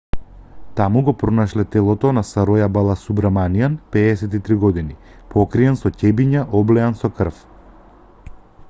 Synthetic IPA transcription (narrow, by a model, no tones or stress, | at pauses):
t̪amuɡɔpɾɔnaʃlɛt̪ɛlˠɔt̪ɔnasaɾɔjabalˠasubɾamanijanpɛːsɛt̪it̪ɾiɡɔd̪inipʰɔkɾiɛnsɔcɛbiɲaʔɔblɛansɔkr̩f